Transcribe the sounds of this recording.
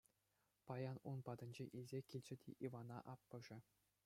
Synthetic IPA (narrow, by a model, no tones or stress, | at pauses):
pɑjɑnunpɑd̪ɤ̆nʲd͡ʑeʔilʲzʲekʲilʲt͡ɕɘ̆dʲḛʔiʋɑnɑ̰ʔɑpːɤ̆ʐɘ̆